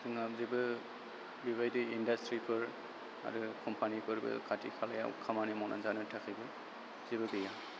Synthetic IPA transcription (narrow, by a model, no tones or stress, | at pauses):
sɯŋap̚zibɯ | biβajdɯindastɾipʰɯɾ | a̰ɾɯkʰɔmpʰanikʰɯɾbɯ̰kʰatḭkʰalaja̰ṵkʰamanimɔnʔa̰nzanɯtʰakʰijbɯ | z̥ibɯɡɯja